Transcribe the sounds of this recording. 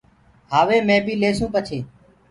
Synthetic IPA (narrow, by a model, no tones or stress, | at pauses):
ɦaːʋeːmẽːbʱiːleːsũːpət͡ʃʰeː